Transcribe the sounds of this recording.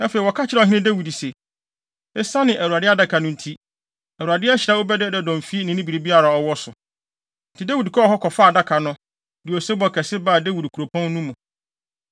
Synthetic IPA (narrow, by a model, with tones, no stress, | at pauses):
ɛ˦fe˨i˨wɔ˨kʰa˦t͡ɕʰɪ˦ɾɛ˦˨ɦɪ̃˦ɪ̃˦dæ˦wi˨di˨se˨ | ɛ˦sa˦nɪ̃˨ʔæ˨wu˨ɾa˨dɪ˦a˦da˦kʰa˨nʊ̃˦n̩˦tʰi˦ | æ˨u˨ɾa˨dɪ˦ɛ˦ɕɪ˨ɾa˦o˦bɛ˦dɛ˦˨dɛ˨dɔ̃˨m˨fi˦nɪ̃˨nɪ̃˦bi˨ɾi˨bi˦a˦ɾa˨ɔ˨wɔ˦sʊ˨ | n̩˨tʰɪ˨da˦wi˨dkʰɔ˦˨ɦɔ˦kʰɔ˨faː˦˨da˦kʰa˨nʊ̃˦ | di˨o˨se˦bɔ˨kʰɛ˨sɪ˦ba˦˨de˦wi˨dkʰu˨ɾo˨pʰɔ̃˦n˦nũ˦mũ˨